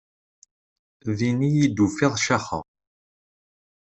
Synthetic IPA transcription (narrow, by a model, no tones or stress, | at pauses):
ðinijid̪ufɪðˤʃaχə̰ʁ